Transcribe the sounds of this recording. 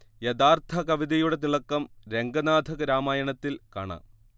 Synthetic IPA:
jed̪aːrt̪ʰɐkɐʋid̪ɐjuɽe̞t̪̬iɭɐkːɐmɾe̞ŋɡɐnaːd̪ʱɐɣɐɾaːmaːjɐɳɐt̪ːilka̰ːɳɐ̰

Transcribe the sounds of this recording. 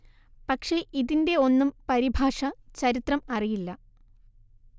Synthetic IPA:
pɐkʂe̞ʔiðinde̞o̞nːumpɐɾibʱaːʂɐt͡ɕɐɾit̪rɐmɐrijilːɐ

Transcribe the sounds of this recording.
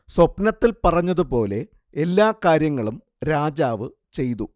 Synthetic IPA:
swɐpnɐt̪ːilpɐrɐɲːɐðupo̞ːle̞ | elːaːkaːɾjɐŋːɐɭum | ɾaːd͡ʑaːʋɨ | t͡ɕe̞jt̪u

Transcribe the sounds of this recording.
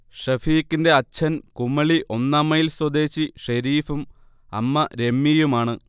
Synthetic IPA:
ʂɐfiːkːinde̞ɐt͡ɕʰːɐnkumːɐɭiʔo̞nːaːmːɐjilswɐd̪e̞ːɕiʂɐɾiːfum | ɐ̰mːɐɾe̞mːijumaːɳɨ

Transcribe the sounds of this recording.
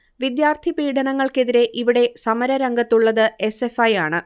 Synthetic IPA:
ʋid̪jaːrt̪ʰipiːɖɐɳɐŋːɐɭke̞ðiɾe̞ʔiʋiɽe̞sɐmɐɾɐɾɐŋɡɐt̪ːuɭːɐðɨe̞se̞fɐjaːɳɨ

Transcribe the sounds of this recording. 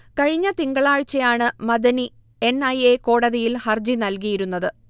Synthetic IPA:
kɐɻiɲːɐt̪iŋɡɐɭaːɻt͡ɕːɐjaːɳɨmɐd̪ɐni | e̞nɐjeko̞ːɽɐðijilhɐrd͡ʑinɐlk̬ijiɾunːɐðɨ

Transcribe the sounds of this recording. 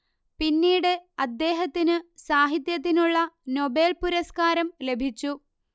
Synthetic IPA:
pinːiːɽɨɐd̪ːe̞ːɦɐt̪ːinɨsaːɦit̪jɐt̪̬ːinuɭːɐno̞be̞ːlpuɾɐskaːɾɐmle̞bʱit͡ɕːu

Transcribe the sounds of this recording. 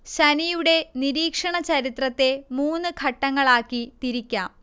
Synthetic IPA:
ɕɐnijuɽe̞niɾiːkʂɐɳɐt͡ɕɐɾit̪rɐt̪ːe̞muːnːɨɡʱɐʈːɐŋːɐɭaːkːit̪iɾikʲːaːm

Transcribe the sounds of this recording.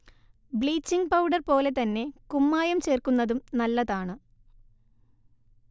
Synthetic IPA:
bɭiːt͡ɕːiŋɡpɐwɖɐrpo̞ːle̞t̪ɐnːe̞kumːaːjɐmt͡ɕe̞ːrkunːɐðumnɐlːɐðaːɳɨ

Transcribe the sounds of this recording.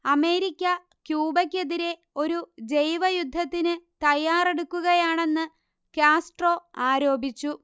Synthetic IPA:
ɐme̞ːɾikʲːɐ | kjuːbɐkʲːeðiɾe̞ | o̞ɾud͡ʑe̞jʋɐjud̪ʱːɐt̪ːinɨt̪ɐjːaːre̞ɽukːuɣɐjaːɳe̞nːɨ | kjaːsʈro̞ːaːɾo̞ːbʱit͡ɕːu

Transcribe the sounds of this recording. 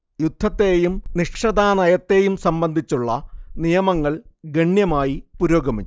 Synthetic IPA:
jud̪ʱːɐt̪ːeːjumniʂʂɐd̪aːnɐjɐt̪ːe̞ːjumsɐmbɐnd̪ʱit͡ɕːuɭːɐnijɐmɐŋːɐɭɡeɳjɐmaːjipuɾoːɡɐmiː

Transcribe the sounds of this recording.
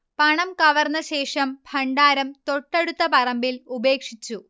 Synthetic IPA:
pɐɳɐmkɐʋɐrnːɐɕe̞ːʂɐmbʱʰɐɳɖaːɾɐmt̪o̞ʈːɐɽut̪ːɐpɐrɐmbilube̞ːkʂit͡ɕːu

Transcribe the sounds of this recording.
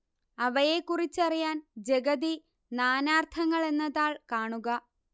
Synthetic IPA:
ɐʋɐje̞kːurit͡ɕːɐrijaːnd͡ʑe̞ɡɐði | naːnaːrt̪ʰɐŋːɐɭe̞nːɐðaːɭkaːɳuɣɐ

